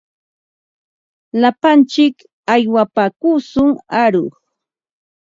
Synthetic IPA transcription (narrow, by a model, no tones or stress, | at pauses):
lapant͡ʃɪk | ajwapakusʊŋaɾʊχ